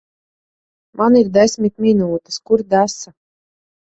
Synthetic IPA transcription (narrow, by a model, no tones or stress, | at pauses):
mʔaniɾd̪ɛsʲmʲit̪mʲinuːt̪i̥skuɾd̪æsa